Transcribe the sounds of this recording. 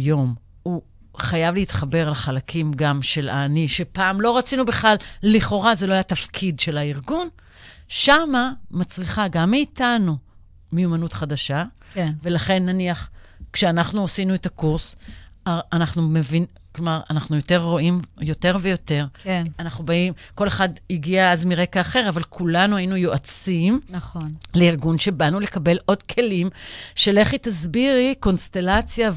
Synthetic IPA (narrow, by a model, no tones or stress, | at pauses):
jo̞m | u | χajavleit̪χabe̞ʁlaχalakʰimɡamʃe̞la̰niʃe̞paːmlo̞ʁat͡sinubeχlalliχo̞ʁazeloajatafkʰidʃe̞laiʁɡun | ʃamamat͡sʁiχaɡamːiːtanu | mejumanutχadaʃa | ve̞laχe̞nːaniaχkʃeanaχnuosinuetakuʁs | anaχnumevin | klo̞maʁanaχnujo̞te̞ʁːo̞ʔimjo̞te̞ʁvejo̞te̞ʁanaχnubaimko̞le̞χadiɡiaazmiʁe̞kaːχe̞ʁavalkʰulanuainujoʔat͡simnɐnleiʁɡunʃe̞banule̞kabe̞lʔo̞dkʰe̞limʃeleχitazbiʁiko̞nst̪e̞lat͡sja